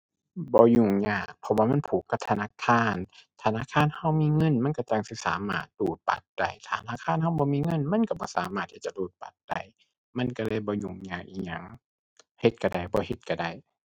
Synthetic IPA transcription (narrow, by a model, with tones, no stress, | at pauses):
bɔː˧˦ɲuː˧˩ŋɲaː˧˩k̚pʰɔ˧waː˧ma˧˥˨npʰuː˨˦kːa˧p̚t̪ʰa˧naː˧˨kʰaː˧˥˨nt̪ʰa˧naː˧˨kʰaː˧˨nha˧˨wmiː˧˥˨ŋɤ˧˥˨nma˧˥˨nka˧˩t͡ɕa˧˩ŋsi˧˦saː˨˦ma̰ː˧˩t̪̚luː˨˩t̪̚pa̰˨˦t̪̚d̥a̰˧˩jt̪ʰaː˨˧t̪ʰa˧naː˧˥˨kʰaː˧˥˨nha˧˩wbɔː˧˦miː˧˨ŋɤ˧˥˨nma˧˥˨nka˧˩bɔː˧˦saː˨˦maː˧˩t̪̚hi˧˩t͡ɕa˧˨luː˧˩t̪̚pa˨˩t̪̚d̥a˧˩j | ma˧˥˨nka˧˩lɤː˧˨jbɔː˧˦ɲuː˧˩ŋɲaː˧˩k̚ʔiː˧˩ɲa˧˩˨ŋ | he˧˦t̪̚ka˧˩da˧˩jbɔː˧˦he˧˦t̪̚ka˧˩da˧˩˨j